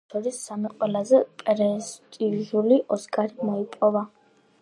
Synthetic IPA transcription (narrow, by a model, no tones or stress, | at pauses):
ɔɾisːamiqʼwɛlazɛpʼɛɾɛst̪ʼiʒuliʔɔsɡʼaɾimɔipʼɔva